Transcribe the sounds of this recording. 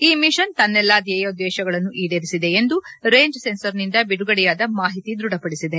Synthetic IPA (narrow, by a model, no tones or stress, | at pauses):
iːmiʃɐnt̪ɐnːɛlːaːd̪jɐjɐud̪ːɛːʃɐɡɐɭɐnːuʔiːɖeɾisid̪e̞end̪u | ɾeːɲd͡ʒsensɐɾnind̪ɐbiɽuɡɐɽɛjaːd̪ɐmaːɦit̪id̪ɾuɽɐpɐɽisid̪e